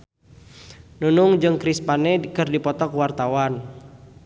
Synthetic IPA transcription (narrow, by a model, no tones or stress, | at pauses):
nunʊŋd͡ʒɨŋkɾispanekɨrdipɔt̪ɔkwart̪awan